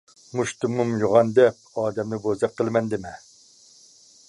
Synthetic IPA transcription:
muʃt̪umumjoʁɑnd̪ɛp̚ɑːd̪ɛmnɪbozɛp̚qəlˠmɛnd̪ɪmɪ

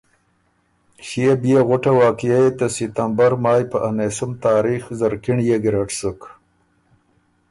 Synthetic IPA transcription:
ɕijebijeɣʊʈawaːkijajet̪ɐsit̪ambɐɾmaːjpəʔanesumt̪aːɾiːxzɐɾkiɳjeɡɾaʈsək

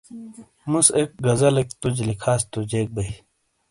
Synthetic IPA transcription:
musek̚ɡɐzɐlek̚t̪ud͡ʑlikʰaːst̪ud͡ʑeːk̚bɐj

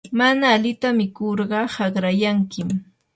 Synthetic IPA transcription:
manaːlɪt̪amɪkoɾɢɑhɑɢɾajaŋkɪm

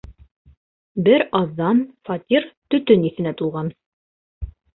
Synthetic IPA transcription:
bɘɾɑðːɑnfɑt̪ʲiɾt̪ɵ̆t̪ɵniθɘ̆næt̪ulˠʁɑn

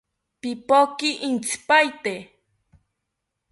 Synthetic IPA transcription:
pipokiʔint͡sʰi̥pajt̪e

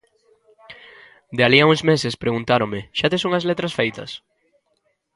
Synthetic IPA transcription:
d̪ealiauŋzmesespɾeɣunt̪aɾomeʃat̪esoŋazlet̪ɾɐsfejt̪ɐs

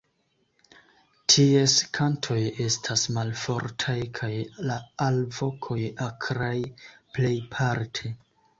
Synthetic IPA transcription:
tʰieskʰantʰo̞je̞stʰasmalfo̞ɾtʰajkʰajlaalvo̞kʰo̞jakʰɾajple̞jpʰaɾtʰe̞

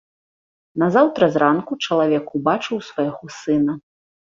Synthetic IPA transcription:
nɐzawt̪ɾɐzɾankut͡ʂɐlˠavʲɛkubat͡ʂɨwsvajɣɔsɨnɐ

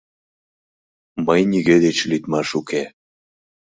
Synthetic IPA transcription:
məjniɣed̪et͡ɕlit̪mɑʃuke

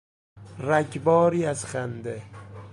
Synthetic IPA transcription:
ɾækʰbɒːɾiːæzχænd̪e

